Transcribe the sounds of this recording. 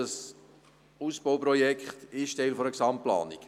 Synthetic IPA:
əs | uːsb̥owpɾɔjɛkχtɪʃtɛɪlfɔɾəksɑmtplɑ̰ːnik

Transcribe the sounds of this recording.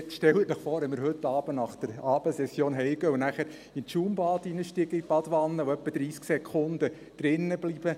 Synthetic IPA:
tʃtɛlətnəχfoːɾɛmɪɾɦɵtːɑːb̥ənɑχd̥əɾɑːb̥əsɛsjoːnɦɛɪɡœunæχæɾ | intʃuːmbɑːdinəʃtiɡəib̥ɑdʋɑnːəoœpːəd̥̪ɾiːsksɛkʰχʊnd̪ə | d̪̥ɾɪnːəblib̥ə

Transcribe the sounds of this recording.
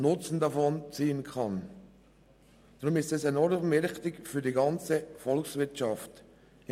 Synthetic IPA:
nʊt͡sn̩dɑfɔnt͡siːənkʰɑn | d̥ɾʊmɪstɛsɛnɔɾmɛɾxtɪkfyːdiɡɑnt͡səfɔlksvɪɾtt͡ʃɑft

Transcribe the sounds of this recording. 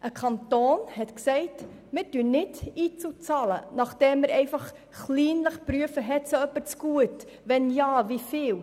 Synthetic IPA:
ʔəkʰɑntoːnhɛtksɛɪt | mɪtyənɪtiːt͡sut͡sɑːlə̰nɑχd̥ɛmːəɾɛɪfɑχ | χliːnləχpɾyəfəɦɛtsoœpːəɾt͡sɡ̥uət | ʋɛnjɑːvifɪːl

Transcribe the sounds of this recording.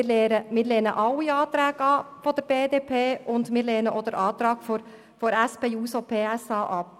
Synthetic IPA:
ɪlːɾəmɪːɾleːnəʔɑlːiɑːt̪ɾæːɡɑfɔd̪̥əɾb̥eːd̪eːpʰeːʔʊnd̪mɪːɾleːnəʔɔd̪əɾʔɑːt̪ɾɑːɡ̥fɔɾ | fɔɾɛspeːuːsɔpʰeːɛsɑːʔɑp̚

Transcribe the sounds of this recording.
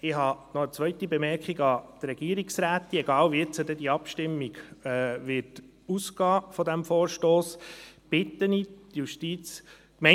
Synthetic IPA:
ɪɦɑnɔət͡sʋœʏt̪ibɛmɛɾkχiɡɑd̪̥ɾɛɡ̥iəɾiksɾæːt̪iɛɡɑːlʋiɛt͡sədɛd̪iɑpʃtɪmːiɡ̥ɛʋɪt | uskɑːfɔd̪æmfɔːɾʃtoːsb̥ɪt̪ənidjuʃtiːt͡s | kmɛ

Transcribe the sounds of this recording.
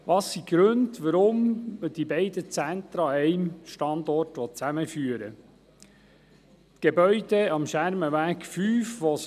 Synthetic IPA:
ʋɑsːiɡ̥ɾɵndʋəɾʊmd̥ibɛɪd̪ət͡sænt̪ɾɑɛɪmʃtɑnd̪ɔrtʋɔt͡sæməfyːəɾə | t̪ɡ̥ebœʏd̥eɑmʃæɾməʋæːkfyːfʋɔs

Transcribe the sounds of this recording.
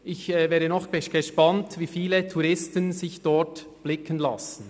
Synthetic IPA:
ɪçɛvɛːɾənɔχɡ̥əʃpɑntviːfiːlətʰuɾɪstənzɪçd̥ɔɹt | b̥lɪkʰənla̰sən̩

